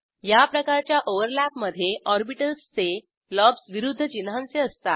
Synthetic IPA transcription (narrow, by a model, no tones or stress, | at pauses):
japɾəkaɾt͡ɕjaʔoʋəɾlæpməd̪ʱjeʔɔɾbiʈəlst͡se | lɔbsʋiɾud̪ʱːət͡ɕinɦãnt͡seəst̪a